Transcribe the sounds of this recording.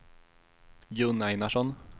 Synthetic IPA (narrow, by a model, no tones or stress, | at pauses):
jɵnːajnaʂɔn